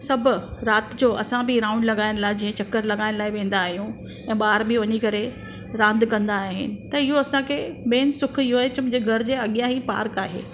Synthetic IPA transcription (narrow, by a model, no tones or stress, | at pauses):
sɐbʱʊɾaːt̪d͡ʑoːɐsãbʱɪɾãːʊ̃ɳɖlɐɠaːɪɽ̃laːɪd͡ʑĩːẽt͡ɕɐkːəɾlɐɠaːɪñlaːɪʋẽːn̆d̪aːɦijũ | ɛ̃ːɓaːɾbʱɪʋɐɲikɐɾe | ɾãːnd̪kɐ̃nd̪aːɦɪnɪ̆t̪ɐɪɦoɐsãkʰeɓẽːnsʊkʰɪɦoɦet͡ɕɐmʊ̃ːd͡ʑeɡʱɐɾd͡ʑeːɐɠijãɦipa̰ːɾka̰ːɦḛː